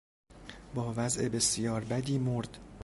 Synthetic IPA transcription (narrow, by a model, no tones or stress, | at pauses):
bɒːvæzʔe̞be̞sjɒːɾbæd̪iːmoɾd̪̥